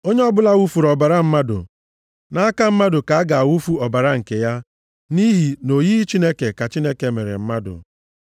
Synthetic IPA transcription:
o˦ɲe˦ɔ˦bʊ˦la˦ɣu˦fu˨ɾɔ˨ba˨ɾa˦m̩˦ma˦dʊ̰˨ | na˦a˦ka˦m̩˦ma˦dʊ˨ka˨a˦ɡa˨a˨wu˦fu˦ɔ˨ba˨ɾa˦ŋ̩˨ke˨ja˦ | ni˦ɦi˨no˨ji˦i˦t͡ʃi˦ne˦ke˨ka˨t͡ʃi˦ne˦ke˨me˨ɾḛ˨m̩˦ma˦dʊ̰˨

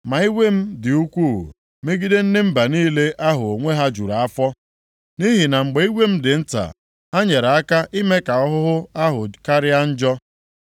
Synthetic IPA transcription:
ma˨i˦wʷe˦m̩˦dɪ˨u˦kʷu˦˨ | me˦ɡi˦de˦n̩˦dɪ˦m̩˦ba˨niː˦le˦ʔa˦ɦʊ˨o˨ŋʷe˦ɦa˦d͡ʒu˨ɾa˨a˦fɔ˦ | ni˦ɦi˨na˨ŋ͡m̩˨ɡ͡be˨i˦wʷe˦m̩˦dɪ˨n̩˦ta̰˨ | a˦ɲe˨ɾa˦ka˦ʔi˦me˦ka˨ɔ˦ɦʊ˦ɦʊ˦a˦ɦʊ˨ka˦ɾɪ˦a˦n̩˦d͡ʒɔ˦

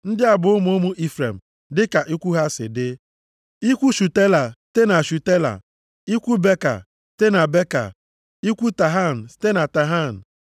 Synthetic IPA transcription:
n̩˦dɪ˦a˨bʊ˨ʊ˦mo˦mu˦ʔi˦fɾḛ˨m̩˨ | dɪ˦ka˨ʔi˦kʷu˦ɦa˦sɪ̰˨dɪ˦ | i˦kʷu˦ʃu˨te˦la˨te˦na˨ʃu˨te˦la̰˨ | i˦kʷu˦be˦ka̰˨ | ste˦na˨be˦ka̰˨ | i˦kʷu˦ta˨ɦa˦˨n̩˨˦te˦na˨ta˨ɦa˦˨n̩˨

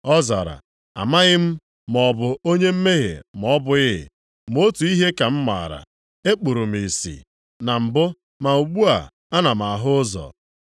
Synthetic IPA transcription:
ɔ˦za̰˨ɾa̰˨ | a̰˨ma˦ɣɪ˦m̩˦ | m˨ɔ˨bʊ˨o˦ɲe˦m̩˦me˦ɦḛ˨m˨ɔ˦bʊ˦ɪ̰˦˨ | m˦o˦tu˨i˦ɦe˦ka˨m̩˦ma̰˨ɾa̰˨ | e˦k͡pu˨ɾu˨m̩˨i˨sḭ˨ | na˨m̩˨bʊ˦ | ma˨u˨ɡ͡bu˦a˨ | a˦na˨m̩˨a˨ɦʊ˦zɔ̰˨

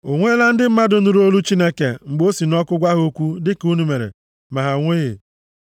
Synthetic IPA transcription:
o˨ŋʷe˦la˦n̩˦dɪ˦m̩˦ma˦dʊ˦nu˨ɾo˦lu˦t͡ʃi˦ne˦ke˨ŋ͡m̩˨ɡ͡bo˦si˨nɔ˦kʊ˦ɡʷa˦ɦo˦kʷu˦dɪ˦ku˦nu˦me˨ɾḛ˨ | ma˨ɦa˨ŋʷe˦ɣe˨

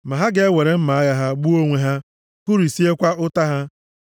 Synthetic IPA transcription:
ma˨ɦa˦ɡe˦e˦wʷe˨ɾe˨m̩˦ma˨a˦ɣa˦ɦa˦ɡ͡bu˦o˦ŋʷe˨ɦa˦ | kʊ˦ɾi˨si˦e˦kʷa˦ʊ˦ta˦ɦa˦

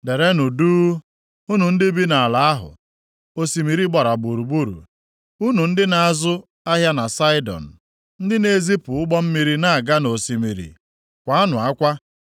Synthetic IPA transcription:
de˨ɾe˦nu˨duː˦ | u˦nu˨n̩˦dɪ˦bi˦na˨a˨la˨a˦ɦʊ̰˨ | o˨si˨mi˨ɾi˦ɡ͡ba˨ɾa˨ɡ͡bu˨ɾu˨ɡ͡bu˦ɾṵ˨ | u˦nu˨n̩˦dɪ˦na˨a˦˨zʊ˦ | a˦ɦja˦na˨sa˦ɪ˦dɔ̰˨n̩˨ | n̩˦dɪ˦ne˦zi˦pʊ˨ʊ˦ɡ͡bɔ˦m̩˦mi˦ɾi˦na˦a˨ɡa˦no˨si˨mi˨ɾḭ˨ | kʷa˦a˦nʊ˨a˦kʷa˦

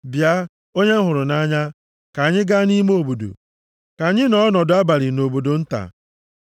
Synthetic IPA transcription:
bja˦ | o˦ɲe˦m̩˦ɦʊ˨ɾʊ˨na˦ɲa˦ | ka˨ɲɪ˦ɡa˦ni˦mo˦˨bo˨do̰˨ | ka˨ɲɪ˦nɔ˦nɔ˨dʊ˦a˦ba˨ɾɪ˨no˨bo˨do˨n̩˦ta̰˨

